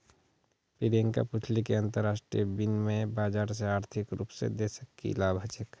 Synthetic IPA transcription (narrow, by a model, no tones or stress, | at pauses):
piɾeŋka̰pʊt͡ʃʰlikeɐ̃nt̪əɾːaːsʈɾḭəbinmẽbaːd͡ʒaːɾs̬eaːɾt̪ʰɪkɾṵːpsḛd̪esəkːḭlaːbʱat͡ʃək